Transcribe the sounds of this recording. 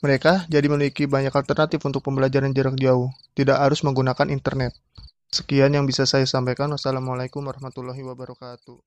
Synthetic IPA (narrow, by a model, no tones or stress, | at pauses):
məɾekad͡ʒadimənuikibaɲakalt̪ərnat̪ɪfunt̪ʊk̚pəmbəlad͡ʒaɾand͡ʒəɾak̚d͡ʒaʊht̪idaʔɦaɾʊsməŋɡunakanʔint̪ərnɛt̪̚ | sə̥kianjaŋbisasajasampajkanwasalamalaikʊmaɾahmat̪ulːaɦiwabaɾɔkat̪u